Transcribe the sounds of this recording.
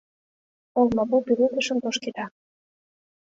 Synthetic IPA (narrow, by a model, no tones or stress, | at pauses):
olmɑbupiɾuk̪ə̆ʃə̆nt̪oʃked̪ɑ